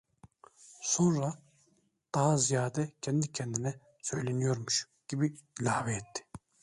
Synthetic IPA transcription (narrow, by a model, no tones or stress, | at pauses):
so̞nɾa | d̪̥aɦazijaːd̪ɛcʰɛnd̪icʰɛnd̪inɛ | sø̞jlʲenijo̞ɾmuʃ | ɟ̥ibiilʲaːvɛːt̪ʰːi̥